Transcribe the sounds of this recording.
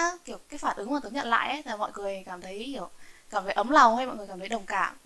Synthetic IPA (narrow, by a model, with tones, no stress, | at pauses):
ki˧˩əwkaː˨˦jfaː˧˩nʔɨ˨˦ŋmaː˨˩t̪ɨ˨˦ŋɲə̰˧˨nla̰ː˧˨jʔə˨˦˨aː˨˩mɔ̰˧˨jŋɨ˨˩əjkaː˧˩mt̪ʰə˨˦jhi˧˩əwkaː˧˩mfa˨˦ʔə˨˦mla˨˩wŋ͡mha˧jmɔ̰˧˨jŋɨ˨˩jkaː˧˩t̪ʰɗə˨˩wŋ͡mkaː˧˩m